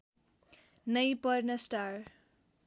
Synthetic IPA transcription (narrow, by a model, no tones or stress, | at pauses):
nʌjpʌɾnʌsʈaɾ